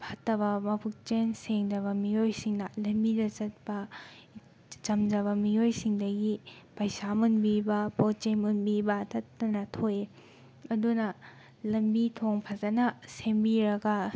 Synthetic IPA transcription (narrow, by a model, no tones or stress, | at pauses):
pʰatːɐβɐmɐpʰuk̚t͡ʃenseŋd͡ʒɐβɐmijojsiŋnɐlɐmbidɐt͡ʃɐt̚pɐ | t͡ʃɐmd͡ʒɐβɐmiojsiŋdɐɡipajsamunbibɐpot͡ʃemunbibɐtɐtːɐnɐtʰoje | ɐdunɐ | lɐmbitʰoŋpʰɐzɐnɐsembiɾɐɡɐ